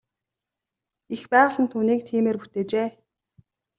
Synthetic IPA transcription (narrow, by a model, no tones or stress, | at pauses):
ixpæːʁə̆ɮə̆nt̪ʰuːniːk̚t̪ʰiːmeːrpu̥t̪eːt͡ɕeː